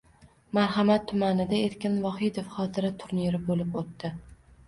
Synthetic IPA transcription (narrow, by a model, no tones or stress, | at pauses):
maɾɦamat̪ʰːʊmanɪd̪aeɾkʲɪnvɒhɪd̪ofχɒt̪ʰɪɾat̪ʰʊɾniɾɪbolɪpot̪ːɪ